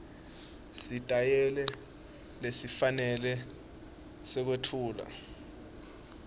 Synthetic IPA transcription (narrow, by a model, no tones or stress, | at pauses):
sitʼajɛlɛ | lesifanɛlɛ | sɛk̬wetʰuːla̰